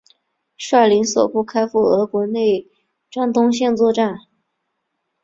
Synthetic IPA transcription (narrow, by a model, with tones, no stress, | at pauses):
ʂa˥˩li˧˥nswɔ˨˩pu˥˩kʰa˥ɪfu˥˩ɤ˧˥kwɔ˧˥ne˥˩ɪ | ʈ͡ʂa˥nt̪ʊ˥ŋɕjɛ˥˧nt͡swɔ˥˧ʈ͡ʂa˥˩n